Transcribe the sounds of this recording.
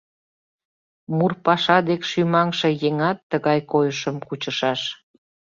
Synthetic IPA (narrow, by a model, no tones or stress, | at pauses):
murpɑʃɑd̪ekʃymɑŋʃĕjeŋɑt̪ːəɣɑjkojəʃəmkut͡ɕəʃɑʃ